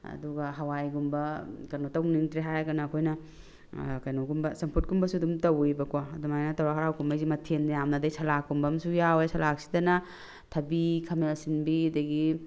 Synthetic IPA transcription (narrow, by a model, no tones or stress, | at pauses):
ɐ̰duɡɐɦɐwajɡumbɐkɐjnotɐwniŋtɾiɦajɡɐnɐːkʰojnɐ | kɐjnoɡumbɐsɐmpʰut̚ɡumbɐsudumtɐwibɐkwaɐdumajnɐtɐwɾaɦaɾawkʰumbajzimɐtʰendjamnɐdɐjsɐlakːumbɐmsujawesɐlak̚si̥dɐnɐ | tʰɐbikʰɐmelsinbidɐɡi